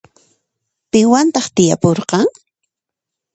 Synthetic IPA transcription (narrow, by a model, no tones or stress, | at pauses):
pɪŋwant̪ɑχt̪ɪja̰poɾqɑŋ